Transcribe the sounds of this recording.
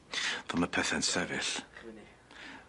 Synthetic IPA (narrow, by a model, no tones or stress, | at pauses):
ðɔməpʰɛθɛnsɛvɪɬ